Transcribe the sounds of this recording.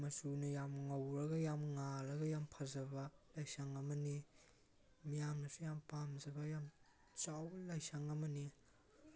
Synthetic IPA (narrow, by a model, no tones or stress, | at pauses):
mɐsunɯjamŋawɾɐɡajamŋaɾɐɡajampʰazɐbɐlajsaŋɐmɐni | mijaŋnasujampamzabajam | t͡ʃawlajsaŋamɐni